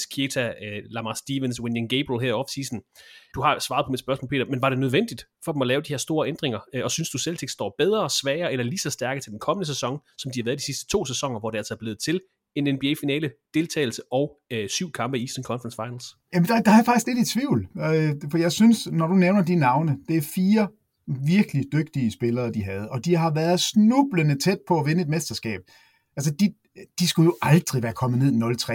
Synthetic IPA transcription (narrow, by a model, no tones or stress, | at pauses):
kʰiet͡sʰælɑ̈mɑsd̥iːʋenswenjæmɡ̥eɪb̥ʁelɦæɐ̰ɒ̽fsiːsn̩d̥uɦɑ̈sʋɑ̈ðˠpʰɒ̽mid̥sb̥ɶɐsmɔ̰ːlpʰḛːdɐmenʋɑ̈ɾ̥e̝nøð̞ˠʋen̰d̥id̥fɒ̽demɒ̽lɛːʊd̥ihe̝ɐ̰sd̥o̝ːɐʔend̥ʁeŋɐɒ̽synsd̥uselt͡sʰeɡ̥sd̥ɒ̰ːb̥eð̞ˠʁɐsʋɛːɐelɐliːsɒ̽sd̥æɐɡ̥ət͡sʰe̝ld̥enkʰɒ̽mənəsesɒ̽ŋsɒ̽md̥ihɑʋæːɐðˠd̥isisd̥ə̥t͡sʰo̝̰ːsesɒ̽ŋɐʋɒd̥eæl̰sɒæɐb̥le̝ːð̩ˠt͡sʰe̝l | e̝nenb̥ieːfinɛ̰ːləd̥e̝lt͡sʰɛ̰ːɪl̩səʔɒ̽ʊsyʊ̰kʰɑ̈mb̥əisd̥ənkʰɒ̽nfʁɑnsfɑ̈ɪnl̩s | jæmənd̥ɑ̈d̥ɑ̈æɐfɑ̈ɡ̥isɡ̥le̝d̥it͡sʰʋiʊ̰lfɒjɑ̈ɪsynsnɒɾ̥uneʊnɐd̥inːɑ̈ʊnəd̥e̝æɐfiːɐ | ʋiɐɡ̥əlid̥øɡ̥̚d̥iəsb̥e̝lɐːd̥iɦæð̞̩ˠɒ̽d̥iɦɑ̈ʋæːɐð̩ˠsnub̥lənət͡sʰed̥̚pʰɒ̽æʋenəe̝d̥mesd̥ɐsɡ̥ɛ̰ːb̥ | ʔæls̬əd̥i | d̥isɡ̥ujo̝ʔɑ̈ld̥ʁiʋæːɐkʰɒ̽mð̩ˠne̝ð̰ˠnɒ̽lt͡sʰʁɛ̰